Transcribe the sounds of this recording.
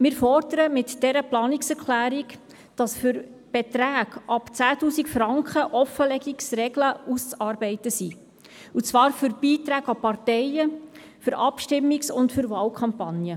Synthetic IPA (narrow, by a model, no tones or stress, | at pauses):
mɪːɾfɔrd̪əɾəmɪtd̥ɛɾəplɑːniksɛɾkʰlæːɾik | d̥ɑsfʏɾb̥ɛtɾæːɡɑpt͡sæːtuːsikfɾɑŋkχəʔɔfəlɛɡiksrɛɡləust͡sɑːɾbɛɪtəsi | ut͡svʋɑːɾfʏɾb̥iːt̪ɾæːɡɑpɑrtɛɪə | fʏɾʔɑpʃtɪmːiksʊntfʏɾvɑːlkʰɑmpɑnjə